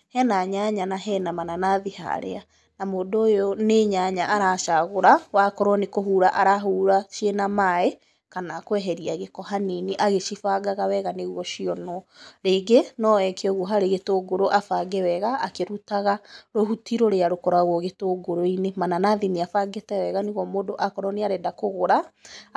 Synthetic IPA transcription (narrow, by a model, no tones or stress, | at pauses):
hɛnaɲaɲanaɦɛnamananaðiha̰ɾḛa | namoːdoːjɔneɲaɲaʔaɾaːʃaɣoɾawakɔɾwɔnekoɦuɾaʔaɾaɦuːɾaʃenamae | kanakwɛɦɛɾiaɣekɔɦaniniʔaɣeʃifaɡaɣawɛɣaneɣuɔʃiɔnɔɾeɡenɔɛkeɔɣuɦaɾeɣetoːɡoɾoʔafaɡewɛɣaːkeɾutaɣaɾoɦutiɾoɾeaɾokɔɾwaɣwɔɣetoːɡoɾoinemananaðiniafaɡetɛwɛɣaniɣɔmoːdoʔakɔɾɔneaɾɛdakoɣoɾa